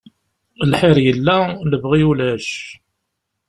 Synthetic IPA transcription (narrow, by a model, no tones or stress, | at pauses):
lħɪɾjəlːæləbʁijulæʃ